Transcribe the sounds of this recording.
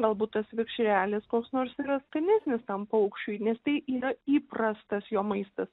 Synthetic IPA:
ɡɐlˠbuːt̪̚t̪ɐsʋʲɪkʃʲɾʲæːlʲɪskoːksnoːrsiːɾɐskɐnʲæsʲnʲɪst̪ɐmpɐʊkʃʲt͡ʃʲuːnʲɛst̪ɐɪʔiːɾɐiːprɐst̪ɐsjoːmɐɪst̪ɐs

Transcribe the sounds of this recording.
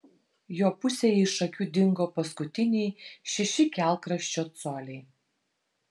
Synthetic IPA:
joːpʊsʲejɪʃɐkʲuːd̪ʲɪŋɡoːpɐskʊt̪ʲɪnʲɛɪʃʲɛʃʲɪkʲæˑlˠkɾɐʃʲt͡ʃʲoːt̪soːlʲɛɪ

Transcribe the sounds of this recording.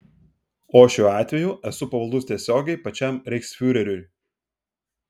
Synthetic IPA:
oːʃʲuːɑːt̪ʲʋʲɛjuːʔɛsʊpɐʋɐlˠd̪ʊst̪ʲiɛsʲoːɡʲɛɪpɐt͡ʃʲɛmɾʲɛɪksʲfʲʊɾʲɛɾʲʊj

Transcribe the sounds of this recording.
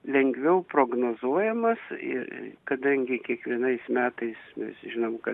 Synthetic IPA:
lʲɛŋɡʋʲɛʊproːɡnoːzuɔjɛmɐsɪ̰kɐd̪ɐŋʲɡʲɪkʲiɛkʋʲiɛnɐɪsmʲæːt̪ɐɪsmʲɛ̰sʒʲɪnomkɐ

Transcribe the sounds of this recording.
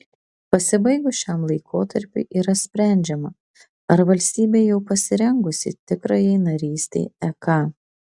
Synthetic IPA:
pɐsʲɪbɐɪɡʊʃʲamlˠɐɪkʰoːt̪ɐɾʲpʲʊ̰ʔiːɾɐsʲpʲɾʲæˑnʲd͡ʒʲɛmɐ | ɐɾʋɐlʲsʲt̪ʲiːbʲeːjɛʊpɐsʲɪɾʲɛŋɡʊsʲɪ̰t̪ʲɪkɾɐjɛɪnɐɾʲiːsʲt̪ʲḛɪɛkɑː

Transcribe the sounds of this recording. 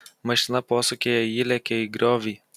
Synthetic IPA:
mɐʃʲɪnɐpoːsokʲeːjɛiːlʲɛkʲɛiɡɾʲɔːʋʲiː

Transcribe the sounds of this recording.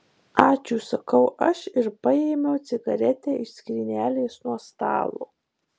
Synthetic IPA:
ɑːt͡ʃʲuːsɐkɐʊʔɐʃɪɾpɐeːmʲɛʊt̪sʲɪɡɐɾʲɛt̪ʲɛːɪʃsʲkʲɾʲɪnʲæːlʲeːsnuɔst̪ɑ̰ːlˠṵː

